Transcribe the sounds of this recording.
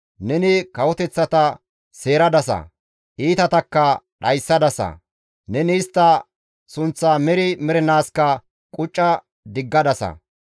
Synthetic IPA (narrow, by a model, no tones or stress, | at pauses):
nɛnɪkɐwɔt̪ɛt͡sːɐt̪ɐ | se̞ːɾɐd̪ɐsɐ̰ | ʔiːt̪ɐt̪ɐkːɐɗɐjsːɐd̪ɐsɐ̰ | nɛniːst̪ːɐ | sʊnt͡sːɐmɛɾɪmɛɾɛnaːskɐ | kʼʊt͡ʃʼːɐ | d̪ɪɡːɐd̪ɐsɐ̰